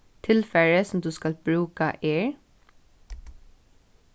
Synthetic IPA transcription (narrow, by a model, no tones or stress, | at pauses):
t̪ʰɪlfɛɹəsɔmd̪uːskɑlb̥ɹʉːkaʔeːɹ